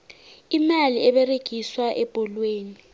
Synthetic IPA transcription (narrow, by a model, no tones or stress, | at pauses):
imaliɛɓɛreɡ̥ʱiswaʔɛb̥ʱɔlweːni